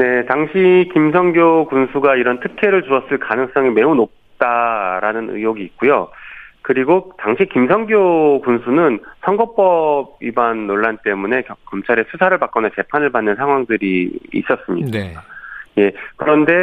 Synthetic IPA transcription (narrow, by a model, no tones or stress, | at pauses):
ne̞taŋɕʰikimsʰʌŋɡjokunsʰuɡaiɾʌntʰɯkʰe̞ɾɯɭt͡ɕuʌs͈ɯɭkanɯŋs͈ʌŋime̞unop̚t͈aɾanɯnɯ̰joɡiːt̚k͈ujokɯɾiɡotaŋɕʰikimsʰʌŋɡjokunsʰunɯnsʰʌŋɡʌp͈ʌb̚ibanːoɭːant͈e̞mune̞kkʌmt͡ɕʰaɾesʰusʰaɾɯɭpak͈ʌnat͡ɕe̞pʰanɯɭpanːɯnsʰaŋɦwaŋdɯɾḭːs͈ʌs͈ɯmɲḭda | je̞kɯɾʌnde̞